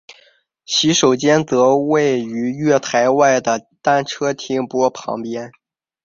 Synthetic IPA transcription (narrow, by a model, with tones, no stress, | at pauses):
ɕi˧˥ʂo˨˩ʊt͡ɕjɛ˥nt͡sɤ˧˥we˥˩ɪy˧˥ɥɛ˥˩t̪ʰa˧˥ɪwa˥˩ɪd̪ə˩t̪a˥nʈ͡ʂʰɤ˥t̪ʰi˥ŋpwɔ˥pʰɑ̰˧˥ŋpjɛ˥n